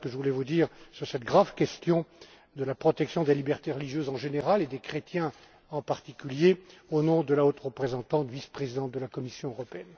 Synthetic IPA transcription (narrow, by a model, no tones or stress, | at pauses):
kəʒəvulɛvud̪iːʁsyʁsɛt̪̚ɡʁavkʲɛst̪jɔ̃ | d̪əlapχɔt̪ɛksjɔ̃d̪elibɛʁt̪eʁəliʒjøzɑ̃ʒeneʁaled̪ekχet̪jɛ̃ | ɑ̃paʁt̪ikʲyljeonɔ̃d̪əlaot̪ʁəpχezɑ̃t̪ɑ̃t̪vispχezid̪ɑ̃t̪̚d̪əlakɔmisjɔ̃øʁɔpeɛn